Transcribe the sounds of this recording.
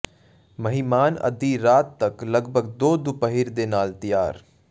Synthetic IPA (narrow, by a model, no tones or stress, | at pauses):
mɐɦimaːnɐ̰d̪iɾaːt̪ːɐklɐɡbʱəɡd̪oːd̪ʊpəɦiɾd̪eːnaːlt̪ija̰ːɾ